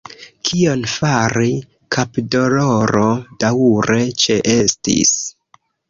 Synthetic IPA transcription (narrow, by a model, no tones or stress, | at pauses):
kʰio̞nfaɾi | kʰapdo̞loɾod̥awuɾe̞t͡ʃe̞ʔe̞stḭs